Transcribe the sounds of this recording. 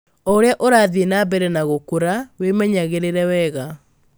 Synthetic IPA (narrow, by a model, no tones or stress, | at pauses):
ɔɾeaʔoɾaːðenabɛɾɛnaɣokoɾawemɛɲaɣeɾeɾɛwɛɣa